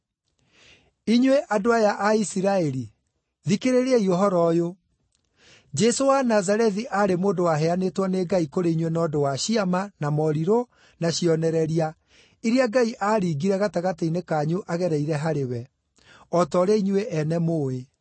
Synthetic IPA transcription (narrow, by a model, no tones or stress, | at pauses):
iɲweʔadoajaʔaisiɾaɛɾi | ðikeɾeɾeaioɦɔɾɔjo | d͡ʒɛsowanazaɾɛðiʔaːɾemoːdowaɦɛanetwɔneːɡaikoɾeiɲwenɔːdowaɕiamanamɔɾiɾo | naɕiɔnɛɾɛɾia | iɾiaɡaiʔaːɾiːɡiɾɛɣataɣateinekaɲuʔaɣɛɾɛiɾɛɦaɾewɛ | ɔtɔɾeiɲuweʔɛnɛmoːe